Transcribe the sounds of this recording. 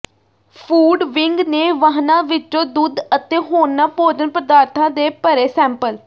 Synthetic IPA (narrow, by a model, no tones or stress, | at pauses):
pʰuːɖʋɪŋɡneːʋaːɦnãːʋɪt͡ʃːõːd̪uːd̪ət̪eːɦoːnaːpoːd͡ʒənpɾəd̪aːɾt̪ʰãːd̪eːpəɾeːsɛ̃ːmpəl